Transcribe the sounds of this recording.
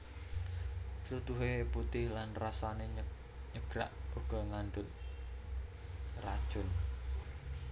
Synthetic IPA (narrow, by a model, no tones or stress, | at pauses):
sut̪uɦeput̪ɪhlanrasane | ɲəɡ̥ɾa̰ʔuɡ̥ɔ̤ŋaɳɖʊt̪̚ | rad̥ʒ̥ʊn